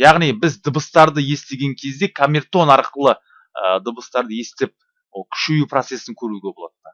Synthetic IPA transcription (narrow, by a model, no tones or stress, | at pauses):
jɑʁnijbɪzd̪əbəst̪ɑɾd̪əje̞st̪e̞ɡʲe̞ŋkʲʰe̞zd̪e̞kʰamʲert̪o̞nɑɾqəlˠə | əd̪əbəst̪ɑɾd̪əje̞st̪e̞p̚ | okʲʰʏ̥ʃejuprot̪se̞sɪŋkʲʰɵɾuɡʲe̞bo̞lˠɑ̰t̪ːə